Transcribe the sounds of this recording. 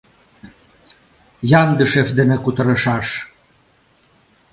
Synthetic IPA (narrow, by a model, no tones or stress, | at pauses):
jɑnd̪əʃefd̪ĕmekut̪ɤ̆ɾɤ̆ʃɑʃ